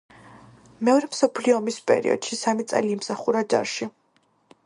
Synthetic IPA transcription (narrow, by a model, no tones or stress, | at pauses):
mɛɔɾɛmsɔpʰliɔːmispʼɛ̰ɾḭɔ̰d̪̥ʃisamit̪sʼɛ̰liːmsaχuɾad͡ʒa̰ɾʃi